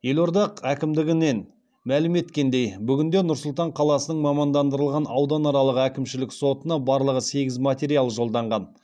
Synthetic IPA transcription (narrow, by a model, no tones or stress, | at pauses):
je̞lo̞ɾd̪ɑqækʲɪmd̪ɪɡʲɪne̞n | mælɪme̞t̪kʲe̞nd̪e̞jbʏɡʲɪnd̪e̞nʊɾsʊlˠt̪ɑɴqʰɑlˠɑsənəɴmɑmɑnd̪ɑnd̪əɾəlˠʁɑnɑwd̪ɑnɑɾɑlˠəʁəækʲɪmʃɪlɪkso̞t̪ənɑbɑɾlˠəʁəse̞ɡʲɪzmat̪ʲe̞ɾʲijalˠəʒo̞lˠd̪ɑɴʁɑn